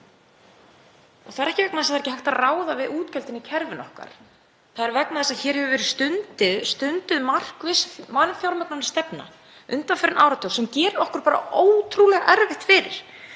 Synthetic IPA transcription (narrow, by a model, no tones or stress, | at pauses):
ɔɣθaðɛɾɛhcɪvɛk̚naðɛs̬aθaɾɛhcɪhal̥t̪araːwðavɪðuːt̪cɛlt̪ɪnːɪcʰɛɾvɪnɔhka̰ɾ̥ | θaðɛɾvɛknaðɛsaðçɛːɾ̥hɛvʏvɛːɾɪðst̪ʏnt̪ɪðst̪ʏnt̪ʏðmar̥kvɪsmanfjawlmɛknanɪst̪ɛpna̰ | ʏnt̪anfɛɾɪnaːwɾat̪ʰoːwsɛmcɛːɾɔhkʏɾpaːɾa̰oːwt̪ʰɾuːlɛɣaʔɛɾvɪht̪fɪːɾɪ̰ɾ̥